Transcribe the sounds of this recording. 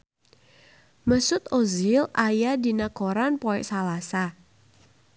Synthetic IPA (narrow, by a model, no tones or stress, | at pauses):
məsʊt̪ozɪlajadi̤nakoɾanpoɛʔsalasa